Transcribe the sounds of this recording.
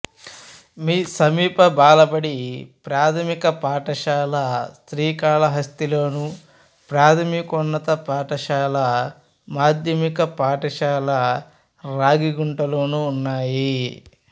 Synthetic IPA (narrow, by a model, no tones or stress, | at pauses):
miːsɐmiːpɐbaːlɐpɐɽipɾaːt̪ʰɐmikɐpaːʈɐʃaːlɐst̪ɾiːkaːlɐɦɐst̪ilo̞ːnu | pɾaːt̪ʰɐmikɔnːɐt̪ɐpaːʈɐʃaːlɐ | maːd̪ʱjɐmikɐpaːʈɐʃaːlɐ | ɾaːɡiɡuɳʈɐloːnuːnːaːji